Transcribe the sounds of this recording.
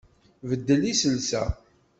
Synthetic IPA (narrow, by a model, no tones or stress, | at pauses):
vəd̪ːəlisəlsæ̰